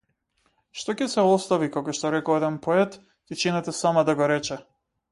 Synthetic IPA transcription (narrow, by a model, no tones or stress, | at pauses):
ʃt̪ɔcɛsɛɔst̪avikakɔʃt̪ɔɾɛkɔɛd̪ɛnpɔɛt̪ | cɛt͡ʃinɛt̪ɛsamad̪aɡɔɾɛt͡ʃɛ